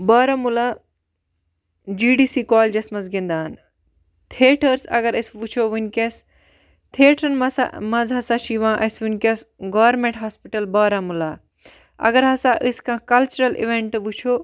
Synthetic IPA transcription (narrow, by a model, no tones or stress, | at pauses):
baːɾɐmulaː | d͡ʒiːɖiːsiːkoːld͡ʒɐsmɐzɡĩnd̪aːn | t̪ʰeːʈʰɐɾsɐ̰ɡɐɾɐsʋut͡ʃʰoːʋunʲkes | t̪ʰeːʈʰɾɐnmɐsa̰mɐzɦɐsaːʃiːʋãːʔɐsʋunʲkɐsɡɐʋɐɾmẽɳʈɦaːspiʈɐlbaːɾɐmulaː | ɐ̰ɡɐɾɦɐsaːʔɨskãːkɐlt͡ʃuɾɐlḭʋeɳʈʋut͡ʃʰoː